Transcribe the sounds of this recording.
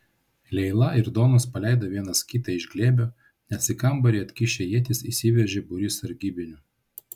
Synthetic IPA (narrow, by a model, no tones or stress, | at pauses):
lʲɛɪlˠɐɪɾd̪oːnospɐlʲɛˑɪd̪oːʋʲiɛnɐskʲit̪ɐɪʒʲɡlʲeːbʲoː | nʲɛt̪ʲsʲɪkɐmbɐɾʲiɐt̪ʲkʲɪʃʲejiɛt̪ʲɪsisʲɪʋʲɛʒʲeːbʊɾʲɪsɐɾʲɡʲibʲɪnʲʊ